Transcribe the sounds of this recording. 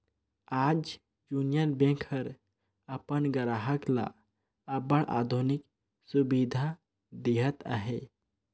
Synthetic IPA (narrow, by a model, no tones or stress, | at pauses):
ad͡ʒ | junijənbẽkʰəɾ | əpənɡəɾaɦəkla̰ː | bəɽʔa̰d̪ʱunik | subid̪ʱa | d̪eɦət̪a̰ɦe